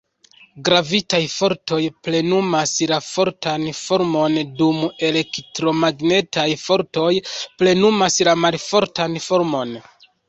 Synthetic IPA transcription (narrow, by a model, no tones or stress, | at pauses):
ɡɾavitajfo̞ɾto̞jple̞numaslafo̞ɾtanfo̞ɾmo̞ndume̞le̞ktɾo̞maɡne̞tʰajfo̞ɾto̞jple̞numaslamalfo̞ɾtanfo̞ɾmo̞n